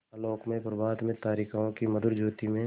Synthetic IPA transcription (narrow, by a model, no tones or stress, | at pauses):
loːkmẽpɾəbaːd̪mẽt̪aːɾikʰaõkimɐd̪ʊɾd͡ʒoːt̪imẽ